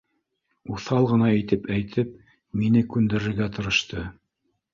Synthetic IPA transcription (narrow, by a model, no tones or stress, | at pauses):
uθɑlˠʁɤ̆nɑit̪ɘpæjt̪ʰɘp̚ | minɘkʉnd̪ɘ̆ɾɘ̆ɾɡæt̪ɤ̆ɾɤ̆ʃt̪ɤ